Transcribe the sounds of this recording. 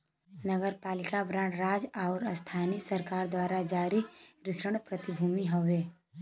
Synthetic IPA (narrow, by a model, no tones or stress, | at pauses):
nəɡəɾpaːlɪkabɾãːɳʈɾaːd͡ʒaʊɾəst̪ʰaːnisəɾkaːɾd̪waːɾad͡ʒaːɾiɾɪsɾəɽ̃pɾət̪ɪbʱuːmiɦoʋeː